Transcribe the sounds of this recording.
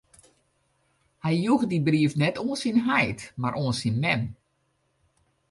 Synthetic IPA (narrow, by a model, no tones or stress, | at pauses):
hɛjjuxdibriəfnɛtoːənsinɦajtmarʔoənsinmɛm